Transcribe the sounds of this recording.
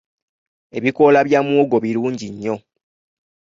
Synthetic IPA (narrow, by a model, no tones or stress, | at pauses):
e̞βiko̞laβjamwoːɡo̞βiɾuːɲɟiɲːo̞